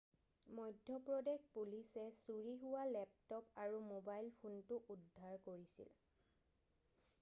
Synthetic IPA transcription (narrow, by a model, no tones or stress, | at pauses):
mɔjdʱːjɔpɹɔdexpulisɛsuɹiɦʊwalɛp̚tɔpaɹumobajlpʰuntʊʔudʱːaɹkoɹisḭl